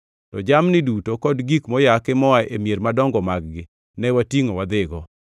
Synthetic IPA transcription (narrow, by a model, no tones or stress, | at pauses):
tɔd͡ʒamnɪdutokɔdɡikmɔjakɪmɔaemjeɾmadɔŋɡɔmaɡ̚ɡɪ | nɛwatiŋowad̪ɪɡɔ